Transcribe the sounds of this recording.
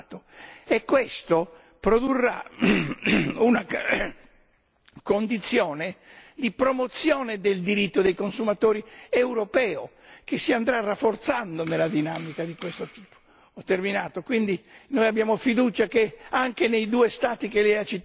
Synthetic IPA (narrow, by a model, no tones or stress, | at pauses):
t̪oekːwest̪o | pɾod̪urːa̰ | una | kond̪it̪sːjɔːned̪ipɾomot̪sjɔːned̪eld̪iɾit̪ːod̪ejkonsumat̪oːɾiewɾopɛːo | k̟esːiand̪ɾarːafːort̪sand̪onelːad̪inaːmikad̪ikwest̪ot̪i̥ːpo̥ | ɔt̪ːerminaːt̪okwind̪inojabːjaːmofid̪uːt͡ʃakeaŋkenejd̪uːest̪aːt̪ikelɛjat͡ʃːit̪ː